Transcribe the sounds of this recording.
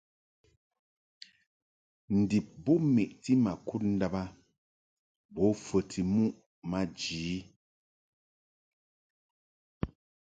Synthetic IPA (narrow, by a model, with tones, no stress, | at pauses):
n̩˨di˨p̚bo˦me˨ʔti˦ma˨ku˦t̚n̩˦da˦ba˦ | bɔ˨˦fə˨ti˨mu˦ʔ | ma˦d͡ʒiː˨˦